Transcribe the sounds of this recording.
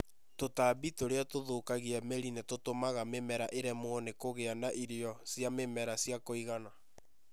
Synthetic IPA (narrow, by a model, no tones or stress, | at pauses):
totabitoɾeatoðoːkaɣiɛmeɾinetotomaɣamemɛɾaʔeɾɛmoɔnekoɣeanaʔiɾeɔsjamemɛɾasjakoiɣana